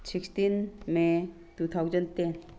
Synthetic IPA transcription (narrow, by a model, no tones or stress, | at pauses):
sʰikst̪inme | t̪ut̪ʰawd͡ʒənt̪en